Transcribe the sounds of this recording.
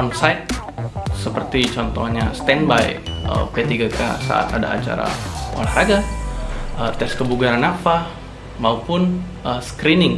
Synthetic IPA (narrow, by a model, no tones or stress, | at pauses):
ɔnsajt̪̚ | səpərt̪it͡ʃɔnt̪ɔhɲast̪ɛnbajə̰pet̪iɡaka̰sa̰ʔa̰t̪ada̰ːt͡ʃa̰ɾa̰o̰ɾaɦaɡa | ət̪ɛskəbuɡaɾanafah | maupʊn | ʔəskɾinɪŋ